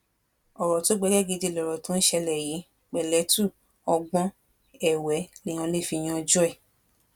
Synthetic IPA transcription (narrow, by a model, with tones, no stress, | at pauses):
ɔ˨ɾɔ˨to˨˦ɡ͡bɛ˨˧˦ɡɛ˦˨ɡi˧di˧lɔ˨ɾɔ˨tõ˨˦n̩˦ʃɛ˧lɛ˨ji˨˦ | k͡pɛ˨lɛ˨˦tu˦˨ | ɔ˧ɡ͡bɔ̃˦ | ɛ˦˨wɛ˨˦nĩ˨˦ã˧le˦˨fi˧j̃ã˧d͡ʒu˦ɛ˦˨